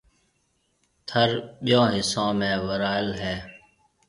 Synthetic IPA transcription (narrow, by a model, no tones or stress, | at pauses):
t̪ʰəɾɓɪjõːɦɪsõːmẽːʋəɾaːɪlɦɛː